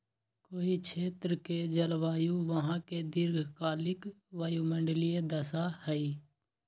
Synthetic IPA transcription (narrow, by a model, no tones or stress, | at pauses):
koːit͡ʃʰeːt̪ɾəked͡ʒəlʋaːjuʋəɦãked̪ɪɾɡʱkaːlɪk | ʋaːjumə̃ɳɖəlijed̪əsahɛi